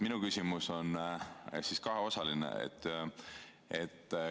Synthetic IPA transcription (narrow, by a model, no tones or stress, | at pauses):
minukysimuso̞n | siskɑɦeo̞sɑlinḛḛt̪ːˑ | et̪ː